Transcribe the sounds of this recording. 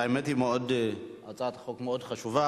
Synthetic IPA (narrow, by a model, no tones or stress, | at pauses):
aemet̪himeod̪at͡sʼat̪χokmeod̪χaʃuva